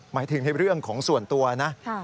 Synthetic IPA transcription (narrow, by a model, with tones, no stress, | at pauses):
maː˩˦jt̪ʰɯ˩˦ŋna˧jɾɯ˥˩əŋkʰɔː˩˦ŋsu˨˩ənt̪u˧ɐna˦˥ʔʰ